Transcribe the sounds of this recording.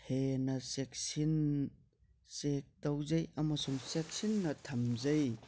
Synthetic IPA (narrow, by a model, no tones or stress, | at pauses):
henɐsek̚sin | sek̚tɐwzɐjɐmɐsuŋsek̚sinːɐtʰɐmzɐj